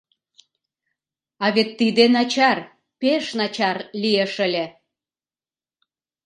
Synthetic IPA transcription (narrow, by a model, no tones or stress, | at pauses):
ɑβet̪ːid̪enɑt͡ɕɑr | peʃnɑt͡ɕɑrlieʃəlʲe